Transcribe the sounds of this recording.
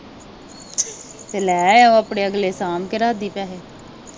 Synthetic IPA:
t̪eːlɛːɛːoːaːpɽeːəɡleːsaːmkɪɾaːd̪iːpɛːɦeː

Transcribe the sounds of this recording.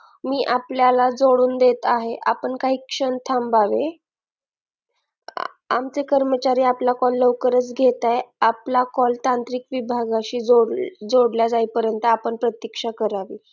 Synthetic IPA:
miːʔapljalad͡zoɽuːnd̪et̪aɦeʔa̰pəɳkaɦiːkʂənt̪ʰambaʋe | a̰mt͡sekəɾmət͡ɕaɾiːaplakɔlːəwkəɾət͡sɡʱet̪ajaplakɔlt̪ant̪ɾiːkʋibʱaɡaɕiːd͡zoɽd͡zoɽljad͡zaipəɾjənt̪əapəɳpɾət̪jəkʂakəɾaʋḭː

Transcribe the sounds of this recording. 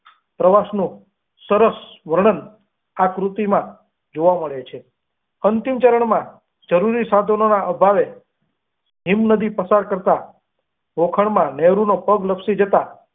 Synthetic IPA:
pɾəʋasnũ | səɾəsʋəɾɳ̃ən | akɾut̪imã | d͡ʒoʋaməɭet͡ʃʰe | ənt̪imt͡ʃəɾəɳmã | d͡ʒəɾuɾisad̪ʱənonaʔəbʱaʋe | ɦimnəd̪ipəsaɾkəɾt̪a | ʋokʰəɳmãneɾunopəɡləpsid͡ʒət̪a

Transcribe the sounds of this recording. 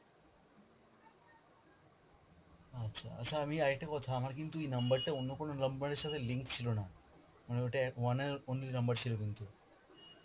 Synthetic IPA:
ətːɕʰa̰ə̰sʰaːmiajʈekɔt̪ʰaːmaɾkint̪uinəmbəɾt̪eonːokɔɽ̃oləmbəɽ̃eɕat̪ʰeliŋkt͡ɕʰilona | maneoʈeʋaneonlinəmbəɾt͡ɕʰilokint̪u

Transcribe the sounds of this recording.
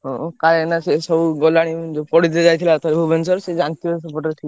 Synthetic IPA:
ɦɔ̃kaɾenasesɔbuɡɔlaɽ̃id͡ʒopɔɽit̪̬ed͡ʒajt̪ʰilat̪aɾbʱubensɔɾsed͡ʒant̪iosɔpoɾʈaɾʈ̪ʰi

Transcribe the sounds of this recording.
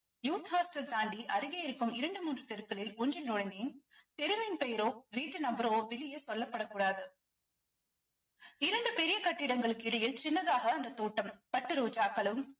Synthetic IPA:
juːt̪haːsʈɐlt̪aːɳɖiʔɐɾɯɣeɪɾɯkːɯmɪɾɐɳɖɯmuːndrɯt̪ɛɾɯkːɐɭɪlʊɲd͡ʒɪlnɔɻɐnd̪iːnt̪ɛɾɯmɪnpɛjɐɾoːʋiːʈːɯnɐmbɐɾoːʋɪɭɪjɐsɔlːɐpːɐɽɐkːuːɽaːðɯ | ɪɾɐɳɖɯpɛɾɪjɐkɐʈːɪɽɐŋɡɐɭɯkːɯɪɽɐjɪlt͡ʃɪnːɐðaːɣɐːnd̪ɐt̪ːoːʈːɐmpɐʈːɯɾoːd͡ʒaːkːɐɭɯm

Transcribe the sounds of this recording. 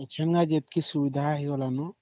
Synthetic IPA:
t͡ʃʰɛnɡad͡ʒet̪̚kʰisubid̪ʱaɦiɔlanu

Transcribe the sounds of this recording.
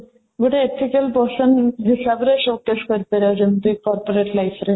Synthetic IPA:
ɡoʈaet̪ʰːikelpoɾsenɦiʃabɾeʃokːeʃkoɾpeɾed͡ʑunt̪ikɔɾpoɾeʈlajfʰɾe

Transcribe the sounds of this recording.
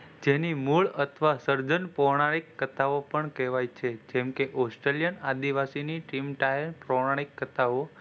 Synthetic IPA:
d͡ʒenimuɭət̪ʰʋasəɾd͡ʒənpɔʋɳ̃aɾikːət̪aopəɳkɛʋajt͡ʃʰed͡ʒɛ̃mkeʔɔsʈɾeljənad̪iʋasiniʈimʈajənpɾɔɳaɾikːət̪ao

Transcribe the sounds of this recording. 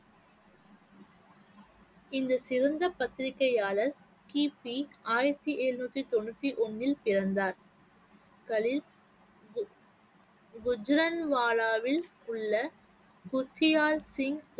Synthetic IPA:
ɪnd̪ɐsɪɾɐnd̪ɐpɐt̪ːɪɾɪkːɐjaːɭɐɾ | kiːpiaːjɪɾɐt̪ːiʔeːɾnuːt̪ːɾit̪ɔnːɯt̪ːiʔɔnːɪlpɪɾɐnd̪aːɾ | kɐɭɪl | ɡʊd͡ʒɾɐnʋaːlaːʋɪl | ʊɭːɐ | kʊt̪ːɪjaːlsɪŋs

